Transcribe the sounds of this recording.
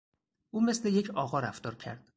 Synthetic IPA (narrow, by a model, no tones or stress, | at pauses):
ʔuːmesleje̞cʰɒːɣɒːɾæft̪ɒːɾcʰæ̰ɾd̪̥